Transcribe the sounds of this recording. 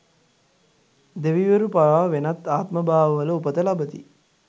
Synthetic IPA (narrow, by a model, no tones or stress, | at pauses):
d̪eʋiʋeɾupaɾaːʋenat̪ːaːt̪məbaːʋəʋələupət̪əlabət̪ḭ